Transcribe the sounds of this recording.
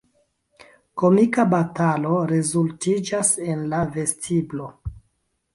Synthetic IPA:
ko̞mikabatalo̞ɾe̞zultid͡ʒase̞nlave̞stʰiblo̞

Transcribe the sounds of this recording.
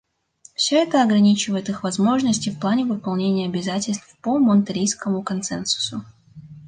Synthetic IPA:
fsʲɵɛt̪əɐɡɾɐnʲit͡ɕɪvəɪt̪ɨxvɐzmo̞ʐnəsʲtʲɪfplˠanʲɪvɨpɐlˠnʲenʲɪjəɐbʲɪzatʲɪlʲst̪fpomənt̪ɐɾʲijskəmʊkɐnt̪sɛnsʊ̥sʊ

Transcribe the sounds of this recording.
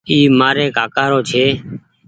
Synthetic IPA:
iːmaːɾeːkaːkaːɾoːt͡ʃʰeː

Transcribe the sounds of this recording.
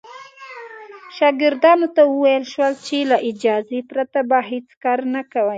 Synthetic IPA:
ʃɑɡɪɾd̪ɑnot̪awəwajəlʃwəlt͡ʃelaʔɪd͡ʒɑzepɾat̪abaɦet͡skɑɾnakawəj

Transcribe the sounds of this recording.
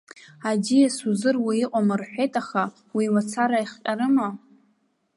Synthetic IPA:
adijasuzɨrwiiqʷʼamarħʷᶣejtʼaχa | wiwat͡sʰaɾaiχqʲʼaɾɨma

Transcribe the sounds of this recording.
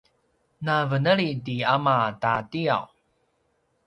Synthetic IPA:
navənəɭidiamatatia̰w

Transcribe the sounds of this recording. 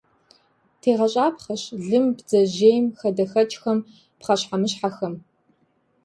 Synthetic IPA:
tʰeːʁɐɕʼaːpχɐɕɮɨmbd͡zɐʑeːjmxɐdɐxɐt͡ʃʼxɐm | pχɐɕħamɨɕħaxɐm

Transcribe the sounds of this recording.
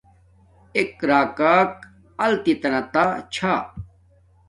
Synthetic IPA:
ekɾaːkaːk | ɐlt̪it̪ɐnɐt̪at͡ɕʰaː

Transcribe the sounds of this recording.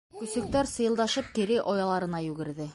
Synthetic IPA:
kɵ̆sɵ̆k̚t̪æɾsɤ̆jɤ̆lˠd̪ɑʃɤp̚kiɾɘʔɒjɑlˠɑɾɤ̆nɑjʉɡɘ̆ɾðɘ

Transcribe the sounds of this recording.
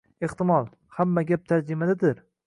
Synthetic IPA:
eht̪ɪmɒlˠ | hamːaɡʲap̚t̪ʰaɾd͡ʒɪmad̪ad̪ɪɾ

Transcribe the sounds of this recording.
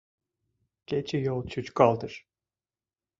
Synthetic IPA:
ɟ̥ʲet͡ʃʰɛjolˠt͡ʃʰut͡ʃkʰalˠd̪ɯɾ̥

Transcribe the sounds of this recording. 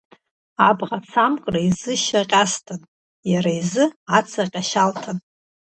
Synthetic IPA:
abʁat͡sʰamkʼraizɨʃaqʲʼastʰɨn | jaɾaizɨat͡sʰaqʲʼaʃaltʰan

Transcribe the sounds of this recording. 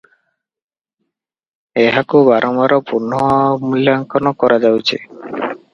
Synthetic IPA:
eɦakubaɾʔɔmaɾɔpuɾnɔmuljaŋkɔnɔkɔɾad͡ʒawt͡ʃʰe

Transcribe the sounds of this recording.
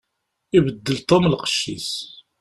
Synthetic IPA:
ibəd̪ːəlt̪ˤomlqə̥ʃːḭs

